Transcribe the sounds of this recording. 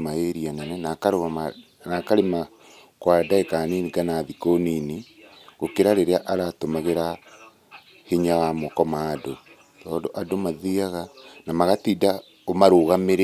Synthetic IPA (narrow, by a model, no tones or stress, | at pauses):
maeɾianɛnɛnakaɾoɣaa | nakaɾema | kwadaekaniniɡanaðikonini | ɣ̥okeɾaɾeɾeaʔaɾatomaɣeɾa | hiɲawamɔkɔmaːdo | tɔːndoʔadomaðiaɣanamaɣatida | omaɾoɣameɾe